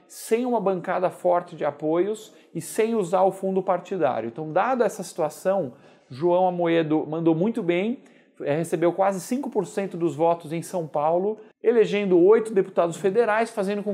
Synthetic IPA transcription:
sẽj̃ũmɐbɐ̃ŋkad̪ɐfɔɾt͡ʃɪd͡ʒɪapojʊs | ɪsẽj̃uzaɾʊfũnd̪ʊpaɾt͡ʃid̪a̰ɾʲjʊẽt̪ɐ̃w̃d̪ad̪ʊɐɛsɐsi̥t̪uasɐ̃w̃ | ʒuɐ̃w̃amoed̪ʊmɐ̃nd̪owmũj̃t̪ʊbẽj̃ | ɛhesebewkwazɪsĩŋkʊpoɾsẽnt̪ʊd̪ʊzvɔt̪ʊzẽj̃sɐ̃w̃pawlʊ | eleʒẽnd̪ʊojt̪ʊd̪epu̥t̪ad̪ʊsfed̪eɾajsfazẽnd̪ʊkõ

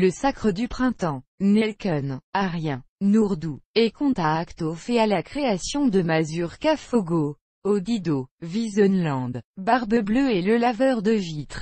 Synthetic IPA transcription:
ləsakχəd̪ypχɛ̃t̪ɑ̃nɛlkɔnaʁjɛ̃nuʁd̪uekɔ̃t̪aːkt̪ofɛalakχeasjɔ̃d̪əmazyʁkafoɡo | od̪id̪ovizɔnlɑ̃d̪baʁbəbløɛləlavœʁd̪əvit̪χ

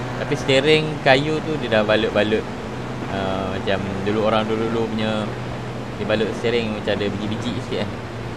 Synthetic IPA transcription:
t̪apist̪eɾɪŋkajut̪udiədahbaləʔ̪̚balət̪̚ | əmãt͡ʃamduluoɾaŋdudulupuɲə | dəbalət̪sət̪eɾɪŋmat͡ʃamdəbəd͡ʒibəd͡ʒiʔisiʔa

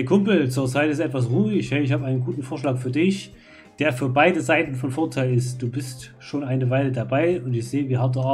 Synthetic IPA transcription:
dɐkʰʊmpl̩t͡suːɐt͡saɪtɪstʔɛtv̥as̬ʁuːɪçɛɪç̬haːbəʔaɪnənɡuːtn̩foːɐʃlaːkfyːɐdɪç | d̥eːɐfyːɐbaɪdəzaɪtn̩fɔnfoːɐtʰaɪlɪst̚d̥uːbɪst | ʃoːnʔaɪnəvaɪlədabaɪʊntɪçz̥eːəviːɦaɐtː

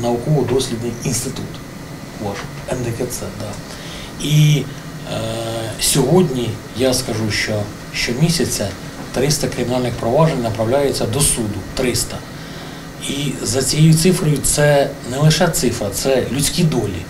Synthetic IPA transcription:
nɐʊkɔʋɔd̪ɔsʲlʲid̪nɪjinst̪ɪt̪ut̪ | ʋɑʃ | ɛnd̪ekɛt̪sɛd̪ɑ | i | sʲɔɦɔdʲnʲi | jaskɐʒuʃt͡ʃɔ | ʃt͡ʃɔmʲisʲɐt͡sʲɐ | t̪ɾɪst̪ɐkɾɪmʲnɑlʲnɪxpɾɔʋɑʒenʲnɐpɾɐwlʲajet͡sʲːɐd̪ɔsud̪ʊt̪ɾɪst̪ɐ | izɐt͡sʲijejut̪sɪfɾɔjʊt̪sɛnɛlˠɪʃɛt̪sɪfɾɐt̪sɛlʲut͡sʲkʲid̪ɔlʲi

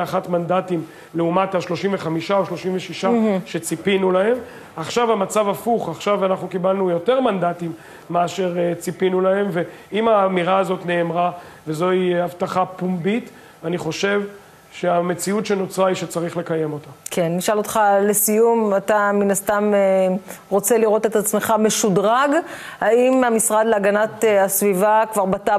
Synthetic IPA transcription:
aχatmandatim | leumataʃlo̞ʃimveχamiʃao̞ʃlo̞ʃimveʃiʃaʃe̞t͡sipinulahe̞m | aχʃavamat͡savafuχaχʃavanaχnukibalnujo̞te̞ʁmandatimː | eaʃe̞ʁt͡sipinulahe̞mve̞ | imaːmiʁaːzo̞tne̞ːmʁa | vezo̞iavtaχapumbit̪ | aniχo̞ʃe̞v | ʃe̞amet͡siutʃenot͡sʁaiʃet͡saʁiχle̞kaje̞mo̞t̪akʰe̞nːiʃalot̪χale̞sijumataminast̪ameʁo̞t͡se̞liʁo̞t̪e̞t̪at͡smeχame̞ʃudʁaɡ | haimamisʁad̪leaɡanatasvivakvaʁbata

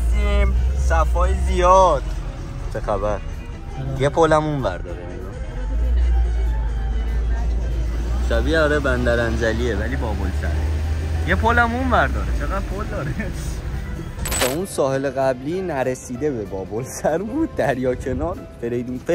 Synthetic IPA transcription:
imsæfɒːjezijɒːd̪̥ | t͡ʃʰexæbæɾ | jepʰolæmunvæ̰ɾd̪ɒ̰ːɾenɡɒ | ʃæbiːɒːɾebænd̪æɾænd͡ʒæliːevæliːbɒːbolsæ̰ɾejepʰolæmunvæɾd̪ɒːɾet͡ʃʰeɣæd̪̚pʰold̪ɒːɾe | t̪ʰɒːunsɒːhe̞leɣæbliːnæɾesiːd̪e̞bebɒːbolsæɾbuːd̪̚ːæɾjɒːcʰe̞nɒːɾ | feɾejd̪umfe

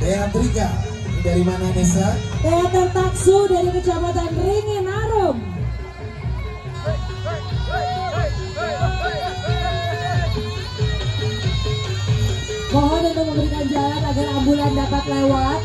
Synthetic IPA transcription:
daɾat̪əɾika | daɾimanamesaeat̪ərt̪aksudaɾikət͡ʃabat̪anriŋɪnaɾʊm | mɔɦɔndant̪əməmbəɾikand͡ʒalanaɡarambulandapat̪lewat̪

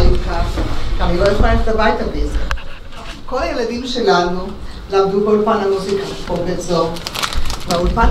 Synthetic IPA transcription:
likakanilojaxlaettabajt̪abezḛ | kolajelad̪imʃelanu | lamd̪ukoulpanamuzikaobetzo | vaulpa

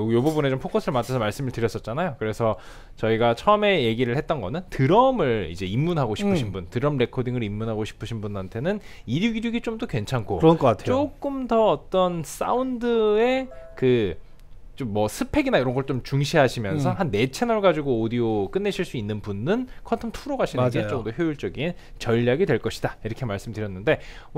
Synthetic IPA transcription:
jobubune̞t͡ɕompʰokʰosʰɯɭmat͡ɕʰasʰʌmaɭs͈ɯmɯɭtɯɾjʌs͈ʌt̚t͡ɕ͈anajokɯɾe̞sʰʌ | t͡ɕʌiɡat͡ɕʰʌɯme̞je̞ɡiɾɯɭhet̚t͈ʌnɡʌnɯntɯɾʌmɯɭḭd͡ʑe̞imːunɦaɡoɕʰipʰɯɕʰinbuntɯɾʌmɾe̞kʰodiŋɯɾimːunɦaɡoɕʰi̥pʰɯɕʰinbunantʰe̞nɯniɾjuɡiɾjuɡit͡ɕ͈omdokwe̞nt͡ɕʰankʰoɾʌnɡʌkatʰeok͈ɯmdʌːt͈ʌns͈a̰undɯe̞kɯ | t͡ɕ͈omːʌsʰɯpʰe̞ɡinaiɾʌnɡʌɭt͡ɕomt͡ɕuŋɕʰiɦaɕʰimjʌnsʰʌɦanːe̞t͡ɕʰenʌɭɡad͡ʑiɡoodiok͈ɯnːe̞ɕʰiɭs͈uinːɯnbunːɯnkʰʌntʰʌmtʰuɾoɡaɕʰinet͡ɕ͈ʌŋdoçjoiɭt͡ɕ͈ʌɡin | t͡ɕʌʎːaɡidwe̞ɭk͈ʌɕʰi̥d̥aiɾʌkʰe̞maɭs͈ɯmdɯɾjʌnːɯnde̞

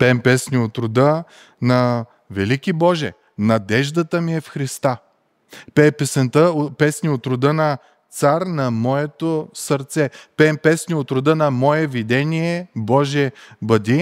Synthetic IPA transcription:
pɛmpɛsnʲiot̪ɾʊd̪ə | nɐ | vɛlikibɔʒɛ̰ | nɐd̪ɛʒd̪ət̪əmiɛfxɾist̪a | pɛpɛsɛnt̪əpɛsnʲiot̪ɾʊd̪ənɐ | t̪saɾnɐmɔɛt̪osəɾt̪sɛpɛmpɛsnʲiot̪ɾʊd̪ənɐmɔɛvid̪ɛnʲiɛbɔʒɛbɐd̪ʲi

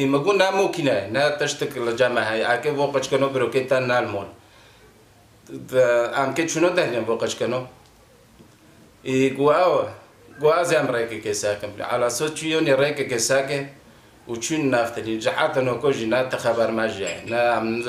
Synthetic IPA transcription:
imɐɡunamokʰinajenat̪ɐʃt̪əklɐd͡ʒamaɦaakevoqɐt͡ʃkɐnobəɾoket̪anaːlmon | amket͡ʃʰunod̪ahneboqɐt͡ʃkɐno | iɡuaw | ɡuaːziaːmɾekekesakɐmnḭʕa̰lasot͡ʃʰujoneɾekekesak̬e | ut͡ʃʰunnaːft̪ɐnid͡ʒaħat̪ɐnokoʒinat̪ɐxabaɾmaʒia̰jḛnaam

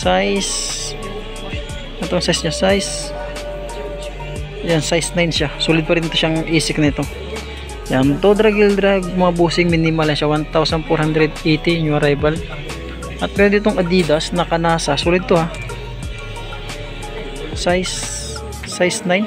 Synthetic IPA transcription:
sajs | ɛt̪oŋsajsɲasajs | jansajsnajnʃasuːlɪd̪̚pɐɾɪnt̪oʃaŋʔiːsɪk̚nɪt̪o̞ | jant̪od̪ɾaɡɪld̪ɾaɡ̚mɐŋabuːsɪŋminɪmalɐnʃawant̪awsɐnfoɾhand̪ɾɛd̪ejt̪ɪɲoɾajbal | ʔɐt̪̚mɛːɾod̪ɪt̪oŋʔɐd̪iːd̪ɐsnɐkɐnaːsɐsuːlɪd̪̚t̪oha | sajs | ajsnajn

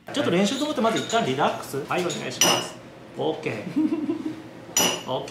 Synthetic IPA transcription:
t͡ɕo̞t̪ːoɾẽ̞ɰ̃ɕɨːt̪omot̪ːemazɨit̪ːãnɾʲid̪akɯ̥sɨhaione̞ɡa̰iɕima̰sɨ̥ | oːke̞ː | oːk

